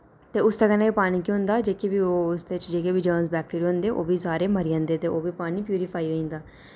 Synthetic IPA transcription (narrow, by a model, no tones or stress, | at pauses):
t̪eːʊst̪əkənaːiːpaːñiːkiɦʊ̃nd̪aːd͡ʒeːkebiːoːʊsd̪eːt͡ʃd͡ʒeːkebiːd͡ʒəːnsbɛːk̚ʈeːɾiːɦʊ̃nd̪eːʔoːʋiːsaːɾeːməɾijãːnd̪eːt̪eːoːʋiːpaːñiːpjuːɾipʰaːiʋeĩːnd̪aː